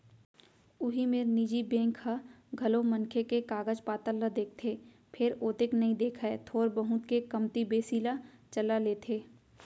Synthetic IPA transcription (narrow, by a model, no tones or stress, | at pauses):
ʊɦimeːɾnid͡ʒibẽːŋkhaɡʱɐlomɐ̃nkʰekekaːɡəd͡ʒpaːt̪əlːəd̪eːk̚ʰt̪ʰeː | pʰɪɾoːt̪ɪknɐɦĩd̪eːkʰɛt̪ʰoːɾbəɦʊ̃t̪kekɐmt̪ibeːsiːlat͡ʃɐlaleːt̪ʰeː